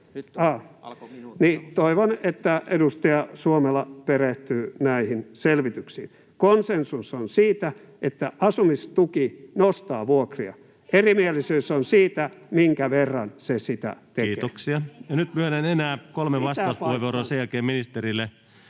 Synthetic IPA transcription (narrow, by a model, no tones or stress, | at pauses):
ɑː | niːt̪oiʋonet̪ːæedust̪ɑjɑsuomelːɑpereht̪yːnæihinselʋit̪yksḭːn | konsensusonsiːt̪æ | et̪ːæʔɑsumist̪ukinost̪ɑːʋuokriɑ̰ | erimielisyːsonsiːt̪æmiŋkæʋerːɑnsesit̪æ̰t̪eeoksiɑjɑnyt̪myølenenæːkolmeʋɑstɑuspuheʋuoɾoːsejælkeːminist̪eɾilːe